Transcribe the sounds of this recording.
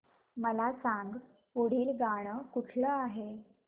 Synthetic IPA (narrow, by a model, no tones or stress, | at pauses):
məlasãŋɡ | uɽ̤iːlɡaɽ̃əkuʈʰləaɦe